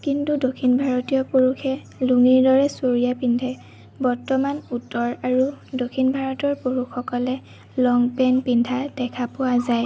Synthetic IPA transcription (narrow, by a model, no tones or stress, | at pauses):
kintudokʰinbʱaɹɔtijɔpoɹukʰɛ | luŋiɹdɔɹɛsoɹijapindʰʱɛ | bɔɹtɔmanutːɔɹaɹudokʰinbʱaɹɔtɔɹpoɹuxɔkɔlɛ | lɔŋpɛnpindʰʱad̥ɛkʰapʊwazaj